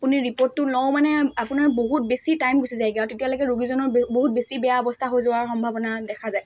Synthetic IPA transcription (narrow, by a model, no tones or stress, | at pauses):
apuniɹipɔɹtːʊlɔwmanɛapunaɹboɦut̚besitajmɡosizajɡiaɹtetijalojɡɛɹuɡizɔnɔɹboɦut̚besibɛjaɔbɔstʰaɦojzowaɹxɔmbʱabɔnadɛkʰazaj